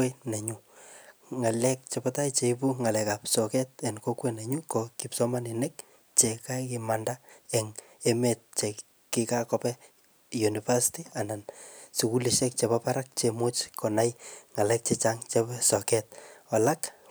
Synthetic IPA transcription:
enɛɲu | ŋalɛk̚t͡ʃepatajt͡ʃeip̬uŋalɛkapsɔkɛt̚ɛnkokwenɛɲukɔkipsɔmaninek̚ | t͡ʃekakimandaɛŋ | emet̚t͡ʃe | kikakɔpɛ | junifasi̥tianansikuliʃɛk̚t͡ʃepapaɾak̚t͡ʃemot͡ʃkʰɔnajŋalɛk̚t͡ʃet͡ʃaŋt͡ʃepsɔkɛt̚ɔlak

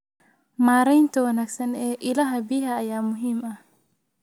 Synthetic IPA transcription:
maːɾɛjnt̪ʰɐwɐnaːɡsɐnɛːʔɪlaːɦɐbiːɦɐːjaːmʊɦiːmɐh

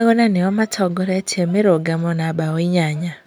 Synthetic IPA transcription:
ɣonaneamatʰɔɡɔɾetʰiemeɾoɡamonabawoiɲaɲa

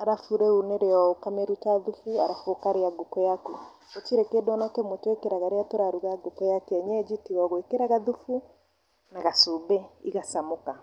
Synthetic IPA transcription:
aɾafuɾeuneɾeɔkameɾutaðufuaɾafokaɾeaɡokɔjaku | ot͡ʃiɾekedɔnakemotwekeɾaɣaɾeatoɾaɾuɣaɡokɔjakeɛɲɛd͡ʒitiɣɔɣwekeɾaɣaðufu | naɣasubeiɣasamoka

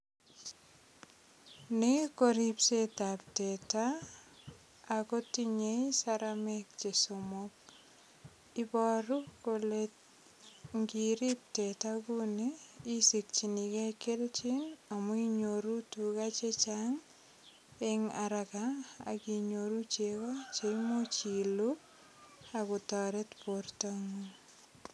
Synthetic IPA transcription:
nikoɾipsetapteta | kotiɲejsaɾamɛk̚t͡ʃesomok̚ | ibɔɾukole | ŋɡiɾip̚tetakuniːsik̚t͡ʃinikɛkelt͡ʃinamuiɲoɾutukat͡ʃet͡ʃaŋ | eŋaɾaka̰ːkiɲoɾut͡ʃekɔt͡ʃeimot͡ʃilu | akʊtɔɾetportaŋu

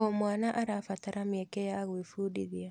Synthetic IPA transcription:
ɔmwaːnaʔaɾafataɾamjɛkɛjaɣwifudḭðia

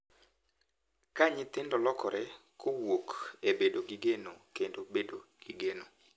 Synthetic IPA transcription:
kaɲɪt̪ɪndɔlɔkɔɾɛkʰowokebedoɡiɡenokendobedoɡ̥iɡeno

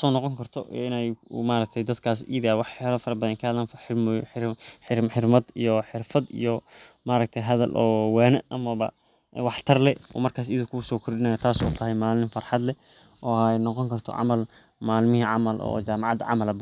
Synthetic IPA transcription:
sɔːnɔqɔŋkʰɐrt̪ʰɔʔɛɪnɛjmaːɾɐk̚t̪ʰɛjd̪ɐd̪kʰaːs̬ḭːðawɑħalɔfɐɾɐbɐðɐŋkʰɐɐðɐnfħɪmħɪħɪħɪrmɐd̪ijɔħɪrfɐd̪ḭjɔ | maːɾɐɡ̚t̪ʰɐjɦɐðɐlʔɔːwɛːnɐʔɐmɐβɐ | wɑħt̪ʰɐrlɛɔ̰ːmɐrkʰaːs̬iːðʊkʰʊsɔːkʰʊrɗɪnajɐt̪ʰaːsɔ̰ːt̪ʰɐɦɛjmaːlɪmfɐrħɑd̪lɛ | ʔɔːjnɔqɔŋkʰɐrt̪ʰɔ̰ʕɑ̰mɐl | maːlmɪhiʕɑmɐlʔɔ̰ːt͡ʃaːmɑʕɑd̪ɐ̰ʕɑ̰mɐlɐbʊ

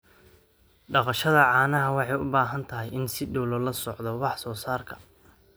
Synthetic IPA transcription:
ɖɑqɑʃɐðɐʕɑːnɐɦɐwɑħɑjʊ̰baːɦɐnt̪ʰɐɦɪjɪnsɪɖɔwlɔlɐsɔʕd̪ɔwɑħsɔːsaːrkʰɐ̥

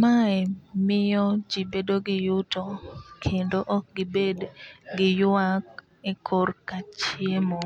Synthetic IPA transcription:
maɛmɪjɔd͡ʒibedoɡɪjʊtɔkʰendoʔɔk̚ɡɪbedɡɪjak̚ | ɛkʰorkat͡ʃjemo

